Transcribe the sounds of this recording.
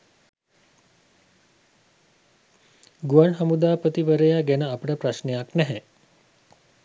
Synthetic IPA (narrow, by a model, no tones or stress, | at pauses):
ɡuaɳɦamud̪aːpət̪iʋəɾəjaɡænəapəʈəpraʃnejaknɛɦɛ